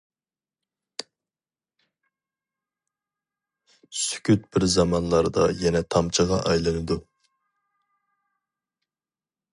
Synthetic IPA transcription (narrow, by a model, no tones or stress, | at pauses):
sy̥kʲʰyt̪̚bɪɾzɑmɑnlˠɑɾd̪ɑ̰jɛnɛt̪ʰɑmt͡ʃʰəʁɑʔɑjlˠɨnɨd̪u